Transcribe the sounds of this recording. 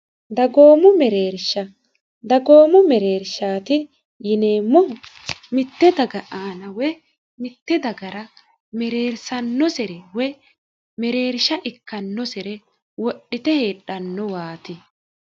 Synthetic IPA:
d̪ɐɡo̞ːmʊmɛɾeːɾʃɐ | d̪ɐɡo̞ːmʊmɛɾe̞ːɾʃaːt̪ɪ | jɪne̞ːmːʊmɪt̪ːɛd̪ɐɡɐʔaːnɐwɛ | mɪt̪ːɛd̪ɐɡɐɾɐ | mɛɾeːɾsɐnːɔsɛɾɛwɛ | mɛɾe̞ːɾʃɐʔɪkːɐnːɔsɛɾɛ | wɔɗːɪt̪ɛhe̞ːɗɐnːɔwaːt̪ɪ

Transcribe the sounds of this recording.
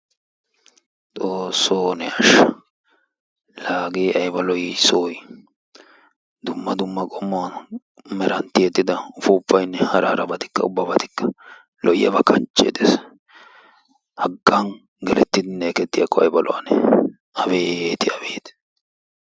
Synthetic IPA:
t͡sʼoːsːoːnɛɐʃɐ | laːɡeːʔɐjbɐlɔjɪsoːj | d̪ʊmːɐd̪ʊmːɐkʼɔmːɔwɐn | mɛɾɐnt̪ːɪjɛt̪ːɪd̪ɐʊfʊːpːɐjnːɛhɐɾɐ̰ɾɐbɐt̪ɪ̥kːɐ̰ʊbːɐbɐt̪ɪ̥kːɐ̥ | lɔjːɐ̰bɐkʰɐnt͡ʃʼːḛd̪es | hɐɡːɐn | ɡɛlɛt̪ːɪd̪ɪneːkɛt̪ːɪjɐkːɔɐ̰jbɐlʔɔ̰wɐnɛ | ɐbeːt̪ɪɐbeːt̪

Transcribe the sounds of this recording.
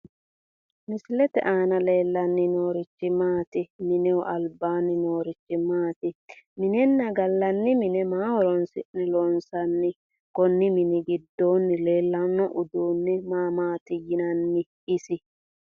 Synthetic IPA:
mɪslɛt̪ɛ̰ʔaːnɐle̞ːlːɐnːɪnoːɾɪt͡ʃːɪmaːt̪ɪmɪnɛwɔʔɐlbaːnːɪnoːɾɪt͡ʃːɪmaːt̪ɪmɪnɛnːɐɡɐlːɐnːɪmɪnɛmaːwɔɾɔnsɪ̰ʔnɛlɔnsɐnːɪ | kɔnːɪmɪnɪɡɪd̪ːoːnːɪleːlːɐnːɔʔʊd̪uːnːɪmaːmaːt̪ɪjɪnɐnːɪ | ɪsɪ

